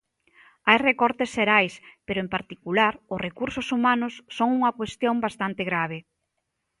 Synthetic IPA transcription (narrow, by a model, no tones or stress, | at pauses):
ajrekɔɾt̪esʃeɾajspeɾʊempaɾt̪ikulaɾʊsrekuɾsʊsumanʊsːoŋuŋɐkwest̪jombast̪ant̪eɣɾaβ̞e